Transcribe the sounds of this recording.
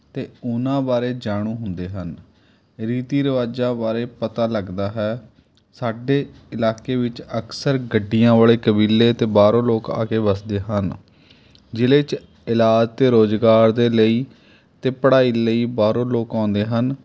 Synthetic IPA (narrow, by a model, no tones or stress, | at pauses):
t̪eːʊnãːbaːɾeːd͡ʒaːɽ̃ũːɦʊnd̪eːɦən | ɾiːt̪iːɾəʋaːd͡ʒãːbaːɾeːpət̪aːləɡd̪aːɦɛː | saːɖeː | ɪlaːkeːʋɪt͡ʃəksəɾɡəɖːijãːʋaːɭeːkəbiːlːeːt̪eːbaːɾõːloːka̰ːkeːbəsd̪eːɦən | d͡ʒɪleːt͡ʃ | ɪlaːd͡ʒt̪eːɾoːd͡ʒɡaːɾd̪eːləiː | t̪eːpəɽaːiːləiːbaːɾõːloːkãːnd̪eːɦən